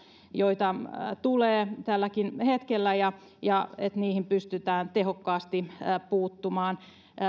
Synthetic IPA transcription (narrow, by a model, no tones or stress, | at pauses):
joit̪ɑt̪uleːt̪ælːækinhet̪kelːæjɑ | jɑet̪niːhimpyst̪yt̪æːnt̪ehokːɑːst̪ipuːt̪ːumɑːn